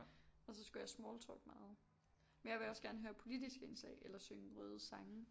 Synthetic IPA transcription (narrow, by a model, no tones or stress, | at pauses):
ɒ̽sɒ̽sɡ̥ujɑ̈ɪsmɔːlt͡sʰɔ̰ɡ̥mɑ̈ːð̞̩ˠ | menjɑ̈ʋe̝ɒ̽sɡ̥æɐnəɦøːɐpʰo̝lid̥isɡ̥əensɛ̰ɪʔelɐsøŋəʁœːð̞ˠəsɑ̈ŋə